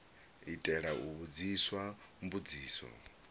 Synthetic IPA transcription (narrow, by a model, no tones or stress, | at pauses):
itʼɛɺauβud͡ziswambud͡ziːsɔ̰